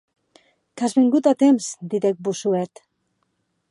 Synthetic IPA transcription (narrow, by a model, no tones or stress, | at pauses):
kazβeŋɡut̪at̪emsd̪iðek̚busuet̪